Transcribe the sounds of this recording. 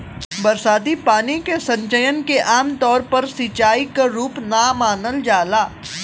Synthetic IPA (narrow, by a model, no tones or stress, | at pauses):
bɐɾsaːd̪ipaːnikesɐ̃ɲt͡ʃəjənkeʔaːmt̪ɔːɾpɐɾsit͡ʃaːikaɾuːpnamaːnəld͡ʒaːlaː